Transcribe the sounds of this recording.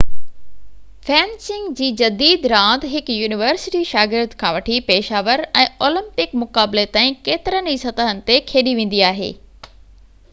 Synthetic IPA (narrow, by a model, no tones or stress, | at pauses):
fɛ̃ːnsɪ̃ŋɡd͡ʑiːd͡ʑɐd̪iːd̪ɾãːnt̪ɦɪkjuːnɪʋəɾsɪʈiʃaːɡɪɾd̪kʰãːʋɐʈʰipeːʃaːʋəɾɛ̃ːoːlə̃mpɪkmʊkaːblet̪ãːĩkeːt̪ɪɾənisɐt̪əɦənɪ̆t̪ekʰeːɗiʋẽːn̆d̪iaːɦḛː